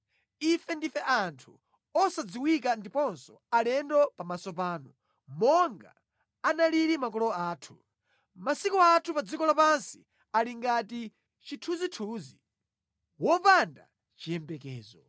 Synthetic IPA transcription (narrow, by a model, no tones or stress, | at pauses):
ifɛndifɛʔantʰu | ɔsad͡ziwikandipɔnsɔ | alɛndɔpamasɔpaːnɔ | mɔŋɡa̰ː | naliɾimakɔlɔaːtʰu̥ | masikɔatʰupad͡zikɔlapansi̥ | aliŋɡati | t͡ʃitʰuzitʰuzi | wɔpanda̰ | t͡ʃijɛmbɛkɛ̰ːzɔ